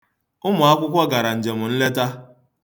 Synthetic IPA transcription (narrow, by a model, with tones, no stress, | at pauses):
ʊ˦mʊ˨a˦kʷʊ˦kʷɔ˦ɡa˨ɾa˨n̩˨d͡ʒe˨mʊ˨n̩˦le˦ta˦